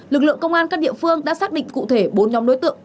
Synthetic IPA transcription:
lɨ˨˩k̚lɨ̰˧˨əŋkə˧wŋ͡mʔaː˧nkaː˦˥k̚ɗḭ˧˨əfɨ˧əŋɗa̰ː˧˥saː˦˥k̚ɗḭ̈˧˨ŋ̟kṵ˧˨t̪ʰe˧˩ɓo˨˦nɲɔ˨˦mɗo˨˦jt̪ɨ̰˧˨ə

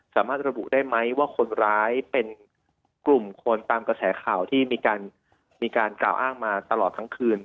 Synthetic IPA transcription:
saː˩˦maː˥˩t̪̚ɾa˧bṵ˨˩ʔdaː˥˩jma˦˥jwaː˥˩kʰo˧nɾaː˦˥jpe˧n | klu˨˩mkʰo˧nt̪aː˧mkɾa˧sɛ̰ː˩˦kʰaː˨˩wt̪ʰiː˥˩miː˧kaː˧n | miː˧kaː˧nkla̰ː˨˩wʔaː˥˩ŋmaː˧t̪a˧lɔː˨˩t̪ʰːa˦˥ŋkʰɯː˧n

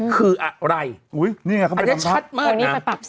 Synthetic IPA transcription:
kʰɯː˧ʔa˨˩ɾa˧jʔuː˨˦˥jniː˥˩ŋa˥kʰa˦˥˧e˧˩˦a˦t͡ɕt̪ʰa˦a˦˥t̪̚maːa˩˧nːi˦˥˦a˧npa˨˩p̚

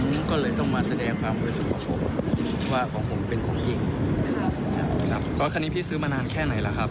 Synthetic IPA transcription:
kɔː˥˩lɤː˧jt̪ɔ˥˩ŋmaː˧˩sa˧dɛː˧ŋkʰwaː˧mku˧˥˩t̪̚sʰu˨˦kʰɔː˩˦pʰo˨˩˦mʰ˦ | waː˥˩kʰɔː˩˦ŋpʰo˩˦mpe˧nkʰɔː˩˦ŋki˨˩ŋʰ | a˧˩kʰa˦˥p̚ːʰɔ˧˦˥kʰa˧nːiː˦˥pʰiː˥˩sɯː˦˥maː˧naː˧nkʰɛː˥˩na˨˩˦jla˧˦kʰa˦˥p̚

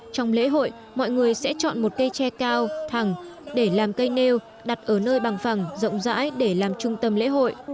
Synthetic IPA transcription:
t͡ɕa˧wŋ͡mlḛ˧˥ɦo̰˧˨j | mɔ̰˧˨jŋɨ˨˩əjsɛ̰˧˥t͡ɕɔ̰˧˨nmo˨˩t̚kə˧jt͡ɕɛ˧kaː˧wt̪ʰa˨˩ŋɗe˧˩laː˨˩mkə˧jne˧w | ɗa˨˩t̚ʔəː˧˩nəː˧jɓaː˨˩ŋfa˨˩ŋzə̰˧˨wŋ͡mza̰ː˧˥jɗe˧˩laː˨˩mt͡ɕʊ˧ŋ͡mt̪ə˧mlḛ˧˥ɦo̰˧˨jʔ

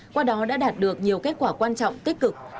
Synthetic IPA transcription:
kwaː˧ɗɔ˨˦ɗa̰ː˧˥ɗaː˨˩t̚ɗɨ˨˩ək̚ɲi˨˩əwke˦˥t̚kwaː˧˩kwaː˧nt͡ɕɔ̰˧˨wŋ͡mt̪i˦˥k̚kːɨ˨˩k̚

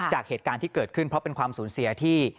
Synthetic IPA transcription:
t͡ɕaː˨˩k̚heː˨˩t̪̚kaː˧nt̪ʰiː˥˩kɤː˨˩t̪̚kʰɯ˥˩npʰɾɔ˦˥pe˧nkʰwaː˧msuː˩˦nsi˨˧ɐt̪ʰiː˥˩

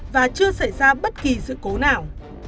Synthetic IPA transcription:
vaː˨˩t͡ɕɨ˧əsa˧˩jzaː˧ɓə˦˥t̚ki˨˩sɨ̰˧˨ko˨˦naː˨˩w

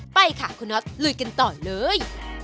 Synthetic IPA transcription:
pa˧jkʰa˧˩kʰu˧nɔ˦˥t̪̚lɯː˧jka˧nt̪ɔː˨˩lɤː˨˧j

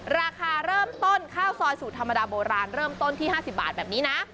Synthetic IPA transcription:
ɾaː˧kʰaː˧ɾɤː˥˩mt̪o˥˩nkʰaː˥˩wsɔː˧jsuː˨˩t̪ʰa˧mːa˧daː˧boː˧ɾaː˧nɾɤː˥˩mt̪o˥˩nt̪ʰiː˥˩ɦaː˥˩si˨˩p̚ba̰ː˨˩t̪̚bɛː˨˩p̚niː˦˥na˦˥ʔ

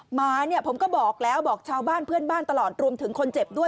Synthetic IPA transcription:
maː˧˩ni˥˩əpʰo˩˦mkɔː˥˩bɔː˨˩k̚lɛː˦˥wbɔː˨˩k̚t͡ɕʰaː˧wbaː˥˩npʰɯ˥˩ənbaː˥˩nt̪a˧lɔː˨˩t̪̚ɾu˧əmt̪ʰɯ˩˦ŋkʰo˧nt͡ɕe˨˩p̚du˥˩ə

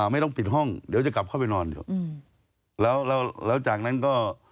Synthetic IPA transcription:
ma˥˩jt̪ɔ˥˩ŋpi˨˩t̪̚ɦɔ˥˩ŋdi˨˦t͡ɕa˨˩ka˨˩p̚kʰa˥˩pa˧jnɔː˧nḭ˨˦ | lɛː˦˥wlɛː˦˥wlɛː˦˥wt͡ɕaː˨˩k̚na˦˥nkɔː˥˩

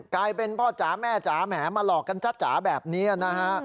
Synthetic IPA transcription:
klaː˧jpe˧npʰɔː˥˩t͡ɕaː˩˦mɛː˥˩t͡ɕaː˩˦mɛː˩˦maː˧lɔː˨˩k̚kːa˧nt͡ɕʰa˦˥t̪̚t͡ɕa̰ː˩˦bɛː˨˩p̚niː˦˥a˨na˦˥kʰa˦˥ʔ

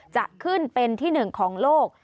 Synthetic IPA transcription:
t͡ɕa̰˨˩ʔkʰɯ˥˩npe˧nt̪ʰiː˥˩nɯ˨˩ŋkʰɔː˩˦ŋloː˥˩k̚

